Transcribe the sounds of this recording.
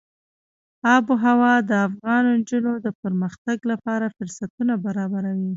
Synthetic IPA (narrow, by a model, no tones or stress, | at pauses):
ɑboɦawɑd̪əafɣɑnnd͡ʒunod̪əpəɾməxt̪aɡlapɑɾafʊɾsat̪unabaɾɑbaɾawi